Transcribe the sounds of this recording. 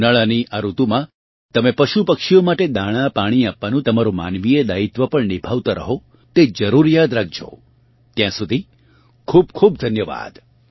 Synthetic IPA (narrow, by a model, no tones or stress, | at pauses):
nəɭaniʔaɾut̪umã | t̪əmepəʃupəkʃijomaʈed̪aɭ̃ãpaɽ̃iapʋanũt̪əmaɾoma̰nʋied̪ait̪ʋəpəɳnibʱaʋt̪aɾə̰ɦo | t̪ed͡ʒəɾuɾjad̪ɾak̚d͡ʒo̰ | t̪jãsud̪ʱi | kʰuːb̚kʰub̚d̪ʱənjəʋa̰d̪